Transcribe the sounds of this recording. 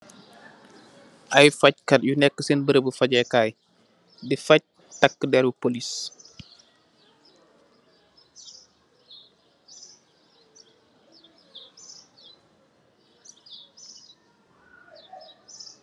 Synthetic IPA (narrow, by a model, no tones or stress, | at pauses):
ʔɐjfɐc̚kɐt̚junɛkːəsenbəɾəbəfɐɟɛkaːj | difɐc̚ | tɐkːədɛɾupolis